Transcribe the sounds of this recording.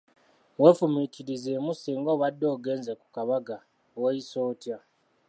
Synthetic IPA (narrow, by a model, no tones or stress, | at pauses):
we̞fumitiɾizeːmusiːŋɡowadːo̞ːɡe̞ːnzeku̥kaβaɡa | wejiso̞ːtja